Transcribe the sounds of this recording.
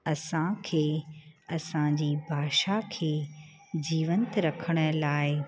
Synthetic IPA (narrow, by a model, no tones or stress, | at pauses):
ɐsãkʰeːɐsãd͡ʑiːbʱaːʃakʰeː | d͡ʑiːʋənt̪ɾɐkʰəɽ̃ə̆laːɪ